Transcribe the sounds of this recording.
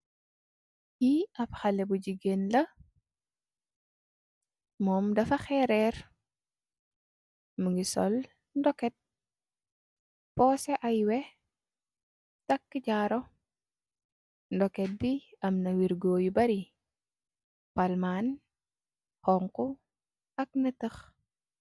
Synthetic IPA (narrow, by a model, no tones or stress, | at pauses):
kiɐpxɐlɛbuɟiɡenlɐ | mɔːmdɐfɐxɛɾɛr | muŋɡisɔ̰l | ndɔkːɛt̚ | pɔːsɛʔajwɛ | tɐkːiɟaɾɔ | ndɔkɛt̚biɐmnɐwiɾɡoːjubɐɾi | palmaːn | hɔŋku | ɐk̚nɐtəx